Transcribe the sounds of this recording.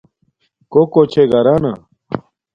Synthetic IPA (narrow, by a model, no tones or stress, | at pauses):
kokot͡ɕʰeɡɐɾaːna̰